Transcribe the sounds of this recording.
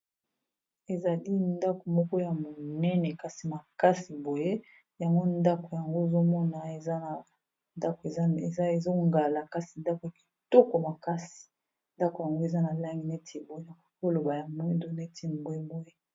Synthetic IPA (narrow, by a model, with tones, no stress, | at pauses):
e˨za˨li˦nda˦ko˨mɔ˦kɔ˦ja˨mo˨nɛ˦nɛ˨ka˨si˨ma˨ka˦si˨bo˨je˦ | ja˨ŋɡo˦nda˦ko˨ja˨ŋɡo˦e˨zo˦mɔ˦na˨e˨za˦a˨ | nda˦ko˨˦˨a˦e˨zo˦ŋɡa˨la˨ka˦si˨nda˦ko˨ja˨ki̥˨to˦ko˨ma˨ka˦si̥˨ | nda˦ko˨ja˨ŋɡo˦e˨za˦na˨la˦ŋɡi˨ne˦tʰi˨bo˨˦je˦ja˨˦ko˦lo˨ba˨ja˨mwe˦ndo˦ne˦ti˦n˨bo˨e˦bo˦je˦